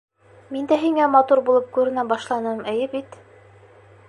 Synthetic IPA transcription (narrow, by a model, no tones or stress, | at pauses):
mind̪æɦiŋæmɑt̪uɾbulˠɤp̚kʉɾɘ̆næbɑʃlˠɑnɤmɘ̆jɘbit̪